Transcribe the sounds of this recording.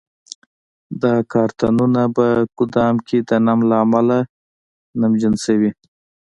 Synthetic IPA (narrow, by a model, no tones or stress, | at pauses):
d̪ɑkɑɾt̪anunabakʊd̪ɑmkʰed̪ənamlaːmala | namd͡ʒansawi